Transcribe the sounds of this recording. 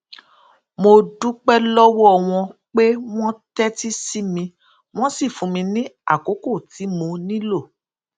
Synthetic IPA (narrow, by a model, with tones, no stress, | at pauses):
mo˧du˦k͡pɛ˦lɔ˦wɔ˦ɔ˧w̃ɔ̃˧k͡pe˦w̃ɔ̃˦tɛ˦ti˦si˦mĩ˧ | w̃ɔ̃˦si˦˨fũ˨mĩ˧nĩ˦a̰˦˨ko˨˦ko˦˨ti˨˦mo˧nĩ˦lo˦˨